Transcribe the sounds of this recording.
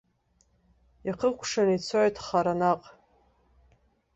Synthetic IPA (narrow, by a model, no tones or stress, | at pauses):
iaqʰəkʷʰʂanit͡sʰoʕʷtʰχaɾanaqʼ